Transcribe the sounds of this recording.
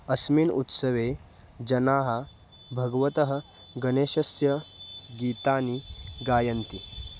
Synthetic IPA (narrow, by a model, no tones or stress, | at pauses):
ɐsmiːnṵt̪sɐʋeː | d͡ʒɐnaːɦɐ̆ | bʱɐɡʋɐt̪ɐɦɐ̆ | ɡɐneːʃɐsjɐɡiːt̪aːniɡaːjɐnt̪i